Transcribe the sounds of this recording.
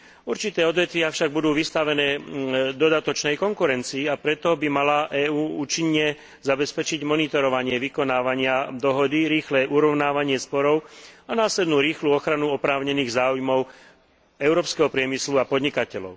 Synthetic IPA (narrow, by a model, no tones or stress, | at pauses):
uɾt͡ʃit̪ɛːɔd̪ʋɛt̪ʋiafʃaɡ̚bud̪uːʋist̪aʋɛnɛːd̪ɔd̪at̪ɔt͡ʃnɛjkɔŋkuɾɛnt͡siːapɾɛt̪ɔbimalaʔɛːuːuːt͡ʃiɲːɲɛ | zabɛspɛt͡ʃiɟmɔnit̪ɔɾɔʋaɲɪɛʋikɔnaːʋaɲɪad̪ɔɦɔd̪iɾiːxlɛʔuɾɔʊnaːʋaɲɪɛspɔɾɔʊanaːslɛd̪nuːɾiːxluːɔxɾanuɔpɾaːʊɲɛniːɣzaːujmɔʊ | ɛʊɾɔːpskɛɦɔpɾɪɛmisluapɔd̪ɲikacɛlɔ̰ʊ